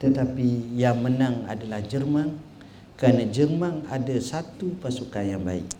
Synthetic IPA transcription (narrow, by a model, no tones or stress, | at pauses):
t̪ət̪apijaŋmənaŋa̰dalahd͡ʒərmaŋ | kəɾanad͡ʒərmaŋa̰dasat̪upasukanjaŋba̰ɪ̰k